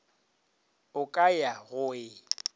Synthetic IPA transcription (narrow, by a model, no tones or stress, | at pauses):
ʊkʼajaɣʊɪ